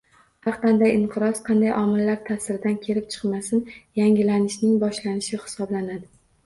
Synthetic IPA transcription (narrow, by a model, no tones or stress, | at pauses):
hɑɾq̪ʰɑnd̪ajɪɴqʰɨɾɒsqʰɑnd̪ajʔɒmɪlːaɾt̪ʰasɪɾɪd̪ankʲʰe̞ɾɪp̚t͡ʃʰɨ̥qmasɪnjaŋʲɪlanɪʃnɪŋbɒʃlanɪʃɪhɪ̥sɒblanad̪ɪ